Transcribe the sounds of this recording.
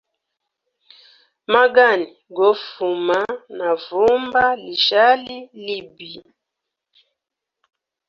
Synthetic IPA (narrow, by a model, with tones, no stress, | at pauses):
ma˦ɡa˦˨ni˨ɡɔ˨˦fu˨ma˦na˨vu˦mba˦li˨ʒa˦li˦li˦bi˨